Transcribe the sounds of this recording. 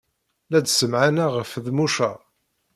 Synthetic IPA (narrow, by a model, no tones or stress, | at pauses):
læd̪səmʕanaʁəfðmuʃæ